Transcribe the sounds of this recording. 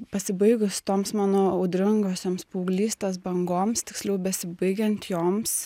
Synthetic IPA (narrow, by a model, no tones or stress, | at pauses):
pɐsʲɪbɐɪɡʊst̪oːmsmɑːnoːʊd̪ʲɾʲɪŋɡoːsʲoːmspuːɡlʲiːsʲt̪ʲesbɐŋɡoːmst̪ʲɪksʲlʲɛʊbʲɛsʲɪbɐɪɡʲɛnʲt̪ʲjoːms